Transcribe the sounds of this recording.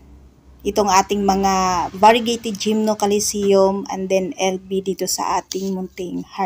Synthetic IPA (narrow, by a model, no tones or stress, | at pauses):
ʔɪt̪oŋʔaːt̪ɪŋmɐŋavaɹɪɡejt̪ɪd̪̚d͡ʒimnokɐlɪsijomɐ̰nd̪ɛnɛlbid̪iːt̪osɐ̰ʔaːt̪ɪŋmʊnt̪ɪŋha